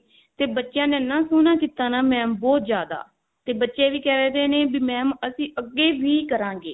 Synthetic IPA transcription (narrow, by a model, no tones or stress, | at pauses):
t̪eːbətːʃjãːnẽːnãːsʊːnãːkiːt̪aːnaːmɛ̃ːmbɔːt̪zjaːd̪a̰ː | t̪eːbətːʃeːʋiːkɛːɾeːd̪eːnẽːbimɛ̃ːməsĩːʔəɡːeːʋiːkəɾãːɡeː